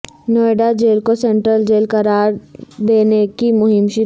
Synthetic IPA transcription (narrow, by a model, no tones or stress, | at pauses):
noːeɖad͡ʒeːlkosẽɳʈɾəld͡ʒeːlkɐɾaːɾd̪eːnekimʊɦɪmʃɪ